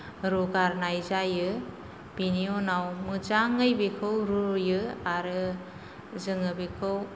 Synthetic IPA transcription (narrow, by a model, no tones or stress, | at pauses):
ɾɔɡaɾnajzajɯ | b̥inijonawmɯd͡ʒaŋɯjbekʰɯwɾujɯaɾɯ | zɯŋɯbekʰɯw